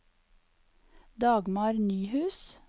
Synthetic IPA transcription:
d̪ɑːɡmɑːɾnyːhʉːs

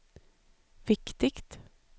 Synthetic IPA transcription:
ʋɪkt̪ɪkt̪

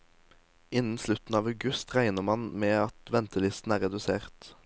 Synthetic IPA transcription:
ɪnn̩slʉt̪n̩ɑːʋɑʉɡʉst̪ʁæɪnəʁmɑnmeːɑt̪ʋɛnt̪əlɪst̪n̩æːʁɛd̪ʉseːʁt̪

